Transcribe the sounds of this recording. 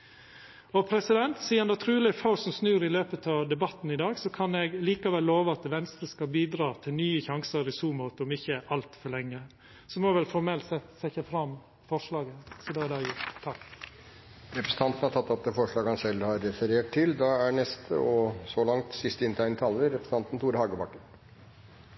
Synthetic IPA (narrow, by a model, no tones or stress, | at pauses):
ɔpʰɾɛsɪd̪ɛnt̪siːɑnd̪ɑt̪ʰɾʉːlɪfaʊsɔmsnʉːɾɪløːpət̪ʰɑʋd̪ɛbɑt̪n̩ɪd̪ɑːɡsɔkʰɑnɛɡliːkɑʋɛlːoːʋəɑt̪ʋɛnst̪ɾəskɑbiːd̪ɾɑːt̪ʰɪlnyːəçɑŋsəɾɪsuːmoːt̪əɔmɪçːəʔɑlt̪fɔɭɛŋːə | sɔmɔʋɛlfɔɾmɛlt̪sɛt̪ːsɛçəfɾɑm | fɔʂɭɑːɡəsɔd̪ɑæd̪ɑjʊt̪ʰɑkː | ɾɛpɾəsən̩t̪ɑnt̪ən̩hɑɾt̪ʰɑt̪ːɑt̪əfɔʂɭɑːɡhɑnsɛlːhɑɾːɛfəɾeːʈ̚t̪ʰɪld̪ɑæɳɛst̪ʰə̰ɔsɔlɑŋt̪sɪst̪əɪnt̪ʰæɪnət̪ʰɑːlːəɾɛpɾəsn̩ʰɑnt̪n̩t̪ʰuːɾəhɑːɡəbɑkːəɾ